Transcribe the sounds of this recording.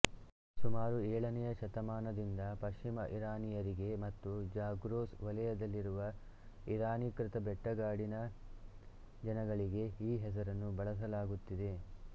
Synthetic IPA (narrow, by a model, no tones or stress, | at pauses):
sumaːɾuɛːɭɐnɛjɐʃɐt̪ɐmaːnɐd̪ind̪ɐpɐʃt͡ʃimɐʔiɾaːnijɐɾiɡe̞mɐt̪ːud͡ʒaːɡɾoːsʋɐlɛjɐd̪ɐlːiɾuʋɐ | iɾaːnikɾɪt̪ɐbɛʈːɐɡaːɽinɐ | d͡ʒɐnɐɡɐɭiɡe̞iːɦɛs̬ɐɾɐnːubɐɭɐs̬ɐlaːɡut̪ːid̪e̞